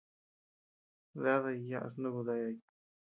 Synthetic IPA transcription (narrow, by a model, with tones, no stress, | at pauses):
ða˦ða˧ja˦ʔa̰˧s̬nũ˦βu˧ða˧ja˧i˧